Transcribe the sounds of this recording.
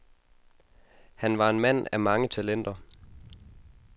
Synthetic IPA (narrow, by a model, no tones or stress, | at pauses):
hænʋɑ̈e̝nmæn̰æmɑ̈ŋət͡sʰælen̰d̥ɐ